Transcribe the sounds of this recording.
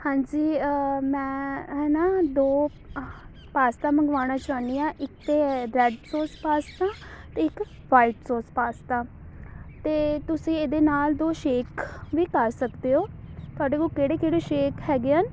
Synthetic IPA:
hãːɲd͡ʒiːmɛ̃ːɦɛːnaːd̪oː | paːst̪ãːməŋɡʋaːɽ̃ãːt͡ʃãːnijãːʔɪk̚t̪eːɾɛːɖsoːspaːst̪aːt̪eɪk | ʋaːiʈsoːspaːst̪ãː | t̪eːt̪ʊsĩːeːd̪eːnaːld̪oːʃeːkʋiːkəɾsəkd̪eːɦoːt̪ʊaːɖeːkoːkeːɽeːkeːɽeːʃeːkɦɛːɡeːaːn

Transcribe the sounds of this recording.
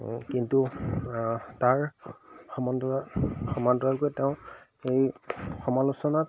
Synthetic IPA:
kintu | taɹxɔmɔndɔaxɔmandɔɹalkojteʊ̃ | ejxɔmalusɔnat̚

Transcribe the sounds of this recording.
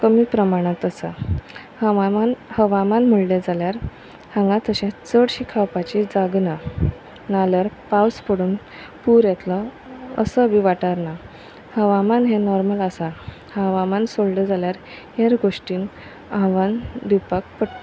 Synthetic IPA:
kəmiːpɾəmaɽ̃ãt̪əsa̰ | nhəʋamanməɭled͡zaljaɾ | hãŋɡãt̪əɕɛ̃t͡səɽɕikʰawpat͡ɕid͡zaɡna | naljaɾpawspəɽuːn | puɾjɛt̪lə | ə̰səbʱiʋaʈaɾna | həʋamanɦẽnɔɾməlasa | hãʋamansoɭled͡zaljaɾ | ɦeɾɡoʂʈiːn | ãʋãnd̪ipak̚pəɽt̪a

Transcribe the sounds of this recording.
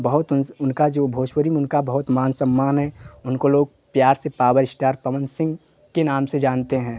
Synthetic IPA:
bɐɦʊt̪ʊnʊnkad͡ʒoːbʱoːʃwəɾimeʊnkabəɦʊt̪maːnsəmːaːnɦɛ̃ʊnkoloːɡ̚ | pjaːɾsepaːwəɾɪsʈaːɾpɐʋə̃nsɪ̃ŋɡ | kenaːmsed͡ʒaːnt̪eɦɛ̃ː

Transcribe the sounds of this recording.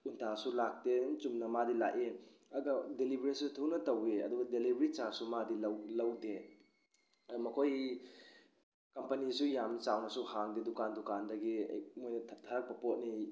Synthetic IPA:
untʰasulak̚tet͡ʃumnɐmadila̰ʔeɐɡadelibʱɾisutʰunɐtɐweɐ̰duɡɐdelibɾit͡ʃasumadillɐwde | mɐkʰoj | kɐmpɐnisujamnsawnɐsuhaŋdedukandukandɐɡḭmojnɐtʰaɾak̚pɐpot̚ni

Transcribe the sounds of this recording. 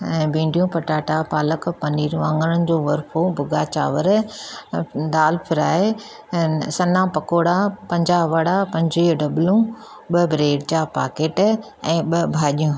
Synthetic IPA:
ɛ̃ːbĩːɳɖijũpɐʈaːʈapaːləkpɐniːɾũãːŋɡəɽənɪ̆d͡ʑoːʋɐɾfʰobʊɡaːt͡ɕa̰ːʋəɾ | ɗaːlpʰɪɾaːe | sɐnapɐkoːɽapɐ̃ɲd͡ʑaːɦʋɐɽapɐ̃ɲd͡ʑiɖɐblũ | ɓɐbɪɾeːɖd͡ʑaːpa̰ːkeːʈ | ɛ̃ːɓɐbʱaːɗijũː

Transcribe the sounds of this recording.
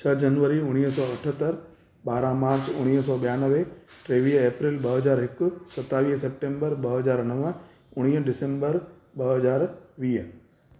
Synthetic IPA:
t͡ʃʰɐd͡ʑɐnʋəɾiʊɽ̃iːɦsɔːɐʈʰət̪əɾ | ɓaːɾãmaːɾt͡ɕʊ̰ɽ̃iːɦsɔːɓɐjaːnəʋeʈɾeːʋiːɦeːpɾilɓɐɦɐzaːɾɦɪkʊsɐt̪ːaːʋiːɦsep̚ʈẽːmbəɾɓɐɦɐzaːɾnəʋə̃ | ʊɽ̃iːɖɪsẽmbəɾ | ɓɐɦɐzaːɾʋiː

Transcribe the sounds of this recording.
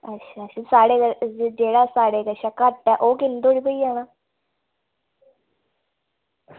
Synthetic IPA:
ətːʃʰaːʃʰasaːɽeːkəd͡ʒeːɽaːsaːɽeːkəʃakəʈːɛːʔoːkɪnd̪oːɽiːpəiːaːnãː

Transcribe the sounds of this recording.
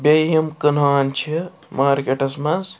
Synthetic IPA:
bʲejɐmkənaːnt͡ʃʰi | maːɾkeʈɐsmɐs

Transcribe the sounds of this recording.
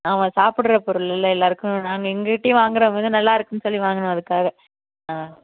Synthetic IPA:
ɐʋɐ̃saːpɪɽrɐpɔɾɯlɪlːɐɛlːaːɾɯkːʊ̃naːŋɡɐɪŋɡɐkɪʈːɐj̃ʋaːŋɡɪɾɐʋɐðd̪ɯnɐlːaːɪɾɯkːɯnːɯsɔlːiʋaːŋɡɐɳʊ̃ɐðɯkːaːɣɐ | aː

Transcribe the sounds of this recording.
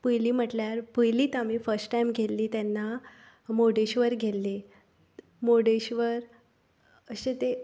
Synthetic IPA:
pujliːm̤əʈljaɾpujliːt̪am̤iːfəɾsʈʈajmɡʱelːiːt̪anːa | moɽeɕʋəɾɡʱelːi | moɽeɕʋəɾ | əɕet̪e

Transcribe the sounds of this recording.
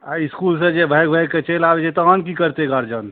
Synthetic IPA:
aiskulsẽd͡ʒebʱəjɡ̚bʱəjɡkːet͡ʃelabed͡ʒet̪ɔɦənkikəɾt̪eɡəɾd͡ʒən

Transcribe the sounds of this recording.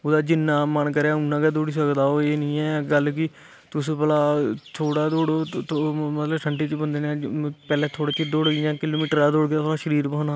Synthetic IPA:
oːd̪aːd͡ʒɪnːãːmənkəɾeaːʊnːãːkaːd̪oːɽiːs̬əkd̪aːoːeːnĩːɛːɡəlk̬ɪ | t̪ʊsːpəlaːt̪ʰoːɽaːd̪oːɽoːt̪omət̪ləbʈʰəɳʈiːt̪ibənd̪eːneːpɛːlɛːt̪ʰoːɽiːt͡ʃid̪oːɽɡijãːkɪloːmiːʈəɾaːd̪oːɽɡjaːt̪ʰoːɽaːʃəɾiːɾbəɦnaː

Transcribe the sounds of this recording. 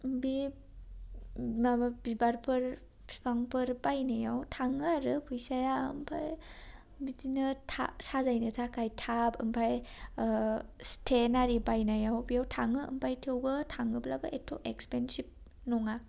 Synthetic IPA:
mbi | mabibaɾpʰɯɾ | pʰi̥pʰaŋpʰɯɾbajnajawtʰaŋɯɾɯpʰujsajaɯ̰mpʰaj | bidinɯtʰa̰sazajnɯtʰakʰajtʰapʰɯmpʰaj | stʰenaɾibajnajawbijawtʰaŋɯɯ̰mpʰajtʰɯwbɯtʰaŋɯblabɯʔetʰɔ̰ʔekspensip̚ | nɔŋa

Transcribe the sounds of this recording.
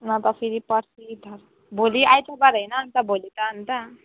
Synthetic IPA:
nʌt̪ʌpʰiɾipʌɾsid̪ʱʌɾ | bʱoliʔajt̪ʰubaɾɦʌjnʌɦʌnt̪ʌbʱolit̪ʌɦːnt̪ʌ

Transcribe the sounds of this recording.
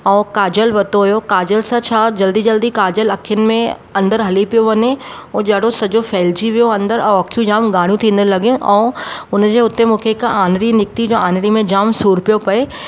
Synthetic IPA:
ɛ̃ːkaːd͡ʑəlʋɐt̪oɦʊjokaːd͡ʑəlsãt͡ɕʰaːd͡ʑɐld̪id͡ʑɐld̪ikaːd͡ʑəlɐkʰijənɪ̆mẽ | ɐ̃nd̪əɾɦɐlipijoʋɐɲeõːd͡ʑɐɦɽosɐd͡ʑofɛːld͡ʑiʋijoɐ̃nd̪əɾɛ̃ɐkʰijũd͡ʑaːmɡaːɽ̃jũt̪ʰĩːnd̪ənlɐɡijũʔɛ̰̃ːʊnd͡ʑeːʊt̪emũːkʰeɪkaːnɽinɪk̚t̪id͡ʑoːaːnɽimẽd͡ʑaːmsuːɾpijopɐe

